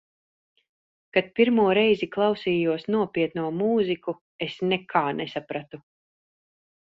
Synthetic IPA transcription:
kat̪̚piɾmuɔɾɛjziklˠawsiːjuɔsnuɔpiɛt̪nuɔmuːziku | esnɛkʰaːnesapɾat̪u

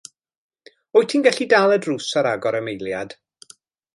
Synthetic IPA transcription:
ɔjtʰinɡɛɬidalˠɛdruːsaɾaɡɔɾəmejlˠjad̥

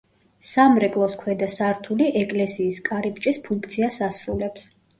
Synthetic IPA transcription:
ssamɾɛkʼlˠɔskʰwɛd̪asaɾt̪ʰuliʔɛkʼlɛsiːskʼaɾip̚ʼt͡ʃʼispʰuŋkʰt̪sʰiasasɾulɛps

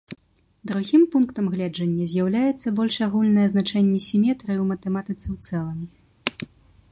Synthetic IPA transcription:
d̪ɾuɣʲimpunkt̪ɐmɣlʲɛd͡ʐɐnʲːɐzʲjawlʲajɛt̪sːɐbɔlʲʂaɣulʲnɐjɛznat͡ʂɛnʲːɛsʲimʲɛt̪ɾɨwmɐt̪ɛmat̪ɨt̪sɛwt̪sɛlˠɐmʲi

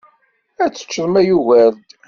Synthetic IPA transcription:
æt͡sːə̥t͡ʃːəðˤmæjuvæld̪

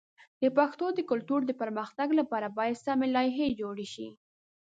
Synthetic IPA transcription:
d̪̥əpaxt̪od̪əkʊlt̪uɾd̪əpəɾməxt̪aɡlapɑɾabɑjad̪samelɑjɦed͡ʒoɽeʃi

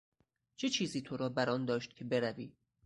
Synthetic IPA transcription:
t͡ʃʰe̞t͡ʃʰiːziːt̪ʰoɾɒːbæɾɒːnd̪ɒːʃt̪̚cʰe̞be̞ɾæviː

